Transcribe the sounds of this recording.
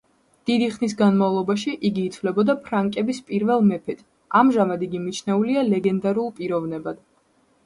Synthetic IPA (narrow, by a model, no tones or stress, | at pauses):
d̪̥id̪iχnis̬ɡanmavlˠɔbaʃiʔiɡiːt̪ʰvlɛbɔd̪apʰɾaŋkʼɛbispʼiɾvɛlˠmɛpʰɛt̪ʰ | amʒamad̪iɡimit͡ʃʰnɛulialɛɡɛnd̪aɾulˠpʼiɾɔvnɛbad̪̥